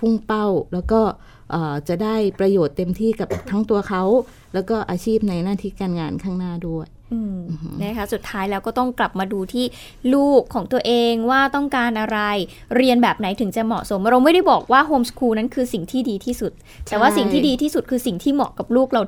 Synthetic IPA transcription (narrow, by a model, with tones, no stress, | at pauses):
pʰu˥˩ŋpa˥˩wlɛː˦˥wkɔː˥˩ | ʔaː˨˩t͡ɕa˨˩ʔdaː˥˩jpɾa˧joː˨˩t̪ːe˧mt̪ʰiː˥˩ka˨˩p̚t̪ʰaː˦˥ŋt̪u˧ɐkʰa˦˥w | lɛː˦˥wkɔː˥˩ʔaː˧t͡ɕʰiː˥˩p̚na˧jnaː˥˩t̪ʰiː˦˥˩kaː˧nŋaː˧nkʰaː˥˩ŋnaː˥˩du˥˩əj | ʔɯː˨˩˧na˦˥˩kʰa˦˥su˨˩t̪ʰːaː˦˥jlɛː˧wkɔː˥˩t̪ɔ˥˩ŋkla˨˩p̚maː˧duː˧t̪ʰiː˥˩ | luː˥˩kʰːɔː˩˦ŋt̪u˧ɐəʔeː˧ŋwaː˥˩t̪ɔ˥˩ŋkaː˧nʔa˧ɾa˧j | ɾi˧ənbɛː˨˩p̚na˩˦jt̪ʰɯ˩˦ŋt͡ɕa˨˩mɔ̰˨˩ʔso˩˦mɾa˧wma˥˩jda˥˩jbɔː˨˩k̚waː˥˩ɦoː˧mskʰuː˧na˦˥nkʰɯː˧si˨˩ŋt̪ʰiː˥˩diː˧t̪ʰiː˥˩su˨˩t̪̚ːɛː˨˩waː˥˩si˨˩ŋʰiː˥diː˧t̪ʰiː˥˩su˨˩t̪̚kʰɯː˧si˨˩ŋt̪ʰiː˥˩mɔː˨˩kːa˨˩p̚luː˥˩k̚ɾa˧